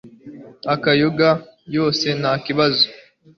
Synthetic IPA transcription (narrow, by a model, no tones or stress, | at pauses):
akajoɡajo̞ːse̞nakiβazo